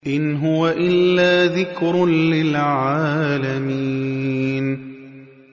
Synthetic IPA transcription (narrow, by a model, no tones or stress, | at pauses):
ʔɪnɦʊwaʔɪlːaːðɪkɾlɪlʕaːlamiːn